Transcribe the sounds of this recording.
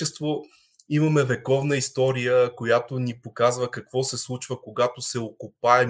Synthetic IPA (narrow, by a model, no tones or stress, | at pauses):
ɛst̪vo | imɐmɛvɛkɔvnəist̪ɔɾijəkojat̪onipokazvəkɐkvɔsɛslˠut͡ʃvəkoɡat̪osɛokopaɛ